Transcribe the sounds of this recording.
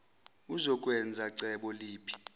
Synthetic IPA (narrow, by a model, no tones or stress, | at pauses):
uzɔkʼwɛnd͡zʱaǀɛɓɔliːpʰi̥